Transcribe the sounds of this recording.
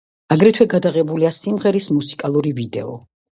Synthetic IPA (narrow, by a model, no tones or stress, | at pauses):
aɡɾɛt̪ʰwɛɡad̪aʁɛbuliasimʁɛɾismusi̥kʼalˠuɾivid̪ɛ̰ɔ̰